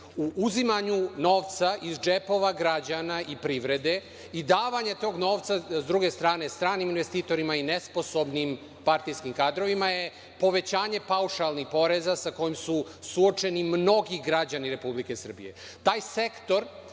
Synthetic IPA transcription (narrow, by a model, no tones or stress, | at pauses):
uʔuzimaɲuno̞ːʋt̪saʔizd͡ʒepo̞ʋaɡɾad͡ʑanaʔipɾiʋɾe̞d̪e̞ | id̪aːʋaɲet̪o̞ːɡno̞ːʋt̪sazd̪ɾuɡe̞st̪ɾaːne̞st̪ɾaːniminʋe̞st̪iːt̪o̞ɾimaine̞spo̞so̞bnim | paɾt̪ijskimkaːd̪ɾo̞ʋimaje̞ | po̞ʋe̞t͡ɕaːɲe̞pauʃalnixpo̞ɾe̞zasako̞jimsu | suo̞t͡ʃe̞nimno̞ɡiɡɾad͡ʑaniɾe̞publike̞sr̩bḭje̞̰ | t̪aːjse̞kt̪o̞ɾ